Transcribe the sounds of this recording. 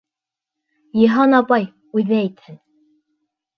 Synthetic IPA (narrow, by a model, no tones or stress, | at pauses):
jɤ̆ɦɑnɑpɑj | ʉðæit̪hɘn